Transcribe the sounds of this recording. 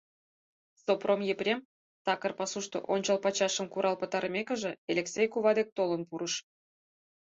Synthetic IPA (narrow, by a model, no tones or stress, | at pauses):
sopromjepɾʲem | t̪ɑkərpɑsuʃt̪o̰ʔonʲt͡ɕəlpɑt͡ɕɑʃəmkuɾɑlpə̆t̪ɑɾə̆mʲekə̆ʒĕelʲeksʲejkuβɑd̪ek̚t̪olənpuɾəʃ